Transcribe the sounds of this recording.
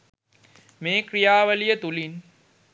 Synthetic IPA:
meːkrijaːʋəlijət̪ulin

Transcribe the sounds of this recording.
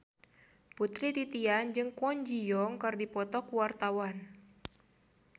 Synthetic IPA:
put̪ɾit̪it̪iand͡ʒɨŋkɔɲd͡ʒijɔŋkardipɔt̪ɔkuwart̪awan

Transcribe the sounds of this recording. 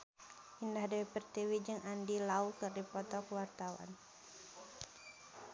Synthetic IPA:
ʔindahdawipɛrt̪ewid͡ʒɨŋandilaukɨrdipɔt̪ɔkuwart̪awa̰n

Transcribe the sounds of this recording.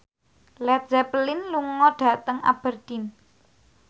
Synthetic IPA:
lɛt̪̚zɛplɪnluŋɔɖ̥ä̤t̪əŋa̰b̥ərd̪̥in

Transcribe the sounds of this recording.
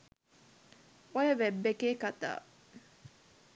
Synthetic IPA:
ojɐʋebːekeːkat̪a̰ː

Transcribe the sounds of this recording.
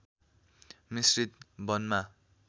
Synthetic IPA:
misrit̪̚bʌnma

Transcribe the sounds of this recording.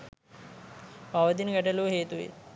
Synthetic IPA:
paʋɐt̪inɡæʈɐluːɦeːt̪uʋḛ

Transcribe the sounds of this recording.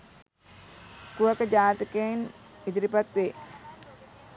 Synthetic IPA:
kuakəd͡ʒaːt̪əkenid̪iɾipat̪ʋe

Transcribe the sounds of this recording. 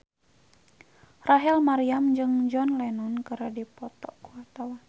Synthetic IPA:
raɦɛlmaɾiamd͡ʒɨŋd͡ʒɔnlɛnɔnkəɾadipɔt̪ɔ̰kuat̪awan

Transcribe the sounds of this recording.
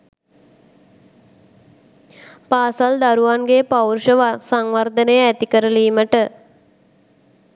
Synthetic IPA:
paːsald̪aɾuʋanɡepawrʃəʋasaŋʋard̪ənəjəæt̪ikəɾəliːməʈə

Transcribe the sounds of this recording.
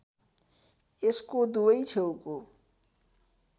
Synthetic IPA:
eskod̪oit͡ʃʰeoko

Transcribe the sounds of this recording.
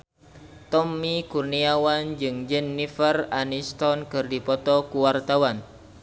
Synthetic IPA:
t̪ɔmːikurniawand͡ʒɨŋd͡ʒɛnːifəranist̪ɔnkɨrdipɔt̪ɔkuwart̪awan

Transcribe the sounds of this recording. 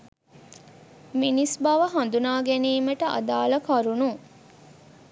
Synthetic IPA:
minisbɐʋəɦɐnd̪unaːɡeniːməʈəʔɐ̰d̪aːlɐkɐɾunu

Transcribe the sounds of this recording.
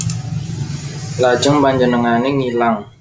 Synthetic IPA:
lḁd͡ʒəŋpaɲd͡ʒənəŋaneŋilaŋ

